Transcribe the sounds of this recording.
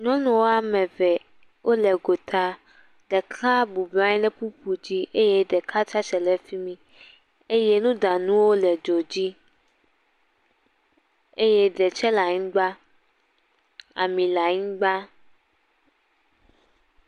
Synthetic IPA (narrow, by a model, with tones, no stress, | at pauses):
ɲɔ̃˦nũ˨wo˦a˦mɛ̃˨vɛ˨ | wʔo˦lɛ˨ɡo˨t̪ʰa˦ | ɖɛ˨kla˦bu˨ba˦ɲĩ˦lɛ˦pu˦pu˨d͡ʑi˦ʔe˦je˦ɖɛ˨kʰa˦t͡ʃa˦t͡ʃɛ˨lɛ˨fi˦mĩ˦ | e˦je˦nũ˦d̪a˨nũ˦wo˦lɛ˨d͡ʒo˨d͡ʑi˦ | e˦jɛ˦ɖɛ˨t͡ʃɛ˦la˨ɲĩ˦ɡ͡ba˦ | a̰˨mĩ˨la˨ɲĩ˦ɡ͡ba˦